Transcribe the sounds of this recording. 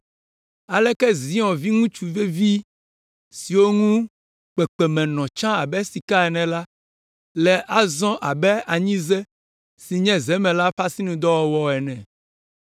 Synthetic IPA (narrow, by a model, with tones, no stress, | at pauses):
a˨lɛ˦kɛ˦zi˨˦ɔ̃˨vi˦ŋũ˦t͡ʃu˨ve˦vi˦ | si˨wo˦ŋũ˦ | k͡pɛ˨k͡pɛ˨mɛ̃˨nɔ̃˨t͡ʃã˦a˨bɛ˦si˨ka˦ɛ˨nɛ̃˨la˦ | lɛ˨ʔa˦zɔ̃˦ʔa˨bɛ˦a˨ɲĩ˦zɛ˦ | si˨ɲɛ̃˦zɛ˨˦mɛ̃˨la˦ɸa˦si˦nũ˨d̪ɔ˦wɔ˨wɔ˦ɛ˨nɛ̃˨